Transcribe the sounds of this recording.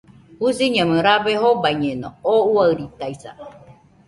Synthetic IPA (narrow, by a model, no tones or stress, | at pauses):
husiɲãmɨ̃ɾaβeɦobaiɲenõouaɾit̪aisa̰